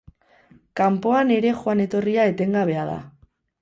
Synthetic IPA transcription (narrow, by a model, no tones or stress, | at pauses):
kampo̞ane̞ɾe̞xoane̞t̪o̞riae̞t̪e̞ŋɡaβ̞e̞aða̰